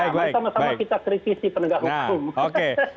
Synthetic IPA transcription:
asamasamakit̪akɾit̪isipənəɡaɦukumoke

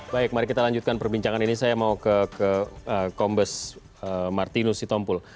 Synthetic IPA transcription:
baɪk̚maɾɪkit̪alaɲd͡ʒut̪̚kanpərbiɲt͡ʃaŋaninisajamaukəkəəkɔmbəs | əmart̪inʊsdit̪ɔmpʊl

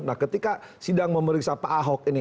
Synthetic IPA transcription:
nahkət̪ikasidaŋməməɾiksapaːɦɔk̚ini

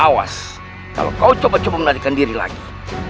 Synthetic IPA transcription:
awa̰s | ka̰lo̰kaut͡ʃɔbat͡ʃɔbamənaɾikandiɾila̰ɡi

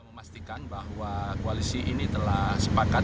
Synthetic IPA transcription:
məmast̪ikanbaɦwakoalisiʔinit̪əlasəpaka

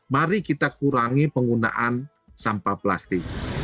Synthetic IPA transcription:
maɾikit̪akuɾaŋipəŋɡuna̰ʔan | sampapla̰st̪ɪk̚

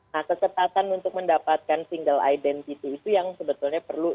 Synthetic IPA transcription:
nahkəsəpat̪anunt̪ʊk̚məndapat̪̚kansiŋɡəla̰idɛnt̪it̪iːt̪ujaŋsəbət̪ulɲapərlu

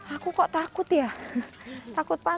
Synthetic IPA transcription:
akukɔʔt̪akʊt̪ja | t̪akʊt̪̚pa

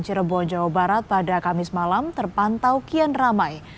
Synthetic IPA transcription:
ɲt͡ʃiɾəbɔnd͡ʒawabaɾat̪̚padakamɪsmalamt̪ərpant̪awkianramaj

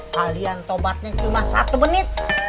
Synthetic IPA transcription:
kaliant̪obat̪̚ɲat͡ʃumahsa̰t̪umənɪt̪̚

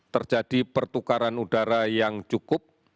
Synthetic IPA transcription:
t̪ərd͡ʒad̥ipərt̪ukaɾanudaɾajaŋt͡ʃukʊp̚

